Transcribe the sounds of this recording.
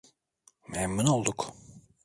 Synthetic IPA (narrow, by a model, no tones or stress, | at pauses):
mɛmːuno̞lˠd̪uk